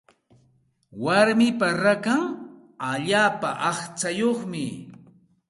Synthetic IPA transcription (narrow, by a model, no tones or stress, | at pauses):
waɾmɪpaɾakaŋ | aʎaːpaʔɑχt͡ʃajoχmɪ